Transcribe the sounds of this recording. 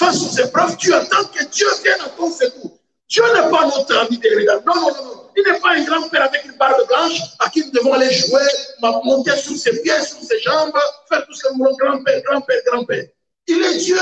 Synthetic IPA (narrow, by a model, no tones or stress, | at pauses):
fasɔ̃sɛpɾɔvt̪yat̪ɑ̃kəd̪jøvjɛ̃d̪ɑ̃t̪ɔ̃seku | d̪jønɛpanɔ̃t̪ãvid̪eɾid̪anɔ̃nɔ̃nɔ̃nɔ̃ilnɛpaɛ̃ɡʁɑ̃pɛɾavɛkynbaʁbəblɑ̃ʃakinud̪əvɔ̃aleʒuemamɔ̃t̪esyʁsepjɛsyʁseʃɑ̃bʁəfɛʁt̪uskənulɔ̃ɡʁɑ̃pɛʁɡʁɑ̃pɛɾɡʁɑ̃pɛʁ | ilɛd̪jø